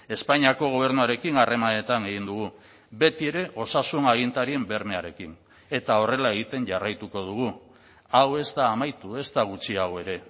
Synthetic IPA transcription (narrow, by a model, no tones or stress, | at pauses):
e̞spaɲiako̞ɣ̞o̞β̞e̞ɾnuaɾe̞kinare̞mane̞t̪ane̞ɣind̪uɣ̞u | be̞t̪ie̞ɾe̞ɣo̞sasunaɣ̞int̪aɾie̞mbe̞ɾmeaɾe̞kin | e̞t̪ao̞re̞lae̞ɣ̞it̪e̞nʝarajt̪uko̞ð̞uɣ̞u | awe̞zt̪aːmajt̪ue̞st̪aɣ̞ut͡siawe̞ɾe̞